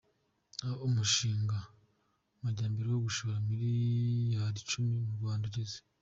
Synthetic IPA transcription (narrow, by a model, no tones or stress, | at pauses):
aomuʃiːŋɡa | maɟaːmbiɾiwoɡuʃoɾamiɾijaɾit͡ʃumimuβɡaːnduɟeze̥